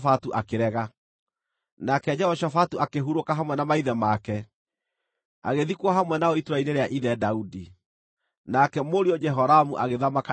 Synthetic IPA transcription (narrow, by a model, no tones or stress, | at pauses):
fatuʔakeɾɛɣa | nakɛd͡ʒɛɔʃafatuakeɦuɾokaɦamwɛnamaiðɛmakɛ | a̰ɣeðikwaɦamwɛnaoitoɾaineɾeaʔiðɛdaudi | nakɛmoɾiɔd͡ʒɛɦɔɾamuʔaɣeðamaka